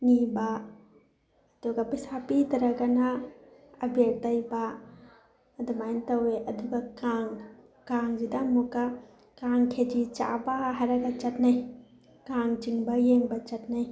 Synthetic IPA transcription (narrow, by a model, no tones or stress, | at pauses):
niba | duɡɐpisapitɐɾɐɡanaː | bek̚tɐjba | dumajntɐweʔɐduɡakaŋ | kaŋzidamuka | kaŋkʰed͡ʒit͡ʃa̰baɦaɾaɡat͡ʃɐtnaj | kaŋd͡ʒiŋbɐjeŋbɐt͡ʃɐtnaj